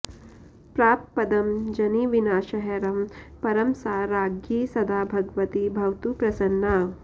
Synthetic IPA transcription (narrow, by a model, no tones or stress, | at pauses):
pɾaːp̪̚pɐd̪ɐmd͡ʒɐniʋinaːʃɐɦɐɾɐmpɐɾɐmsaːɾaːɡjisɐd̪aːbʱɐɡʋɐt̪ibʱɐwt̪upɾɐsɐnːaː